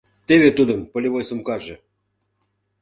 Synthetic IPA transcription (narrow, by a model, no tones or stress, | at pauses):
t̪eβet̪ud̪ə̆mpolʲiβojsumkɑʒĕ